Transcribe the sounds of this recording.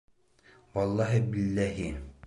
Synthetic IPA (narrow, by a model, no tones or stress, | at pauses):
wɑlˠːɑɦibilːæɦi